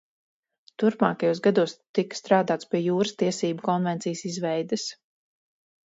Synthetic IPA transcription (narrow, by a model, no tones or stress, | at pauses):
t̪uɾpmaːkajuːsɡad̪uɔst̪ikst̪ɾaːd̪aːt̪spiɛjuːɾɨst̪iɛsiːbukɔnvɛnt̪sijəsizvɛjd̪ɨs